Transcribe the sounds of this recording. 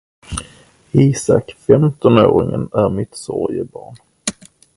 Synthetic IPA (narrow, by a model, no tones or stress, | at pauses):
iːsakfɛmt̪ɔnoːɾɪŋənæɾmɪt̪sɔɾjəbɑːɳ